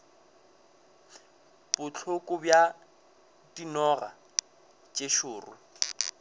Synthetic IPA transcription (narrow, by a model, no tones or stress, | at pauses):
b̥ʊt͡ɬʰʊkʼʊbja | dinɔra̰ | t͡ʃʼeʃʊːrʊ̰